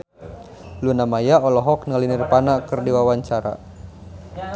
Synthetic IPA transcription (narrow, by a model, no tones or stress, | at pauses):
lunamajaɔlɔɦɔk̚nalinirpanakɨrdiwawaɲt͡ʃaɾa̰